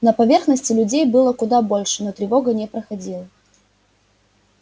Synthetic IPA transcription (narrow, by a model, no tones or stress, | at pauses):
nəpɐvʲe̞rxnəsʲtʲɪlʲʉdʲejbɨlˠəkʊd̪abo̞lʲʂɨnot̪ɾʲɪvo̞ɡənʲɪpɾəxɐdʲilˠə